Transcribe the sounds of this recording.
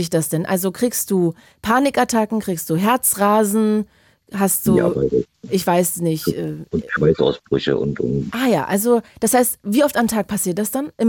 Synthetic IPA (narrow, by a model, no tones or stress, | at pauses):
ɪçd̥asd̥ɛnʔa̰lzokʁ̥iːkst̚d̥uː | pʰaːnɪkʔatʰakŋ̩kʁ̥iːkstd̥uːɦɛɐt͡sʁaːzn̩ | ɦast̚d̥uːa̰vaɪ̰ | ʔɪçv̥aɪsnɪçtʔɛːʊnʃvaɪsʔa̰ʊsb̥ʁʏ̰çə̰ʔʊ̰ntʔʊ̰mʔaːjaːʔalzod̥ashaɪstviːʔɔftamtʰaːk̚pʰasiːɐt̚d̥asd̥anʔɪm